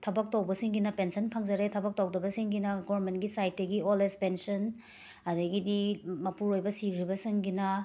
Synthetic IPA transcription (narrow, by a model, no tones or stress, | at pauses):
tʰɐbɐk̚tɐwbɐsiŋɡinɐpensɐnpʰɐŋd͡ʒɐɾetʰɐbɐk̚tɐwdɐbɐsiŋɡinɐɡoɐɾmentɡisajt̚dɐɡiolespensɐn | ɐdɐɡidimɐpuɾojbɐsikɾibɐsiŋɡinɐ